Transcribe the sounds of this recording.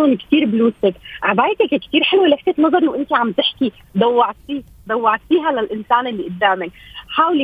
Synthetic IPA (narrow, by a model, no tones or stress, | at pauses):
onkt̪iːɾbluːsɪkʕabaːjt̪akkt̪iːɾħelwileħk̪et̪nːɑzˤɑɾˤlawʔɪnt̪iʕamt̪ɪħki | d̪awːɑʕt̪fiː | d̪awːɑʕt̪fiːɦalɪlʔɪnsaːnʔɪlːiʔɪt̪ːaʕmɪlħaːwli